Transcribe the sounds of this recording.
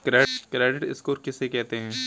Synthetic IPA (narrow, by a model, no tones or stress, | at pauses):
kɾeːkɾeːɖɪʈɪskoːɾkɛsekɛɦt̪eɦɛ̃ː